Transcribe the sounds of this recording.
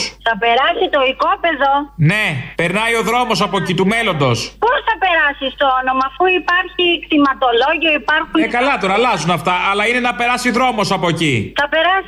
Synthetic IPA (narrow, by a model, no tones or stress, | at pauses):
θɐpe̞ɾɐsit̪oikopeðo̞ne̞pe̞ɾnɐjo̞ðɾo̞mo̞sɐpo̞ecit̪ume̞lo̞nd̪o̞sposθɐpe̞ɾɐsist̪o̞ono̞mɐːfuipɐɾçikt̪imɐt̪o̞lo̞ʝioipɐɾxunekɐlɐt̪o̞ɾɐlɐzunɐft̪ɐʔɐlɐine̞nɐpe̞ɾɐsiðɾo̞mo̞sɐpo̞eciθɐpe̞ɾɐs